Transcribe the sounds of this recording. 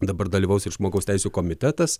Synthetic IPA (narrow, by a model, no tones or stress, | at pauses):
d̪ɐbɐɾd̪ɐlʲiːʋɐʊsɪʒmoːɡɐʊst̪ʲɛɪsʲuːkoːmʲɪt̪ʲɛt̪ɐs